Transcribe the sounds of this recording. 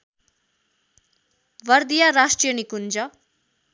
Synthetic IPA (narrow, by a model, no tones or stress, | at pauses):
ʋʌɾd̪ijaɾaʂʈɾijənikund͡ʒʌ